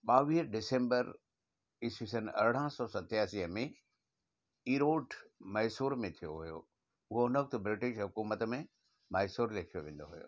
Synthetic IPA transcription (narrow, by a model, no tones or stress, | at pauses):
ɓaːʋiːɾɖɪsẽːmbəɾ | ɪsisənʔɐ̰ɾɽ̤əsɔːsɐt̪jaːsiːɦəmẽ | iːɾoːʈmɐɪsuːɾmẽt̪ʰijo̰ɦujo̰ | ʊɦoʊnək̚t̪bɾɪʈɪʃɦʊkuːmət̪mẽ | mɐɦɪsuːɾlek̪ʰijoʋẽːn̆d̪oɦujo̰ː